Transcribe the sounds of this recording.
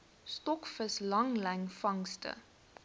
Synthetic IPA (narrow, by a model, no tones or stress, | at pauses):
stɔkfəslɐŋlɛŋfɐŋstə̰